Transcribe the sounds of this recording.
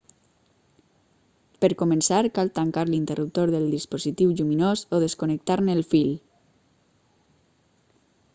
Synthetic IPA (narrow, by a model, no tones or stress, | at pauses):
pəɾkumənsaɾkalˠt̪aŋkaɾlint̪ərʔup̚t̪oɾðəlˠd̪ispozit̪iwʒuminozoðeskunək̚t̪aɾneːlfil